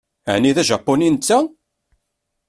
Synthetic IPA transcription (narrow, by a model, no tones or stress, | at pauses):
ʕniðæʒɑpːonint͡s̪ːæ